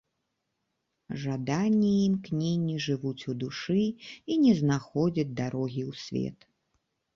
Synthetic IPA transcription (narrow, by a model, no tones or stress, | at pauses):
ʐad̪anʲːiimknʲeɛnʲːiʐɨvut͡sʲud̪uʂɨinʲɛznaxɔd͡zʲɐd͡zʲd̪aɾɔɣʲiwsʲvʲɛ̰t̪